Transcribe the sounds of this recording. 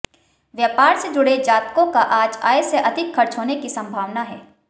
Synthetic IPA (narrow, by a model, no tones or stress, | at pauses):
ʋjaːpaːɾsed͡ʒʊɽed͡ʒaːt̪̚kõkaʔaːd͡ʒa̰ːeseʔɐd̪ʱɪkʰxɐɾt͡ʃɦoːnekisɐ̃mbʱaːʋnaɦɛː